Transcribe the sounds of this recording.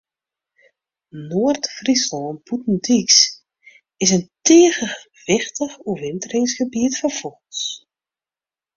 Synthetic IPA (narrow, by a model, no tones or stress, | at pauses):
noərtfrisɔlˠnputn̩diks | ɪsənteːɣə | ʋɪxtəxuʋɪntərɪŋsxəbiətfɔrfɔls